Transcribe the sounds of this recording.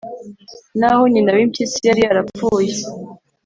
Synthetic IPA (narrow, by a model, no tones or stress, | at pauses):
nahoɲinaβimtisijaɾiaɾafuːje